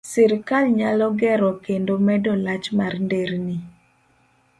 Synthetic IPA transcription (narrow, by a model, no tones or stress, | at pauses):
sɪɾkalɲalɔɡɛɾɔkendomɛdɔlat͡ʃmarndeɾni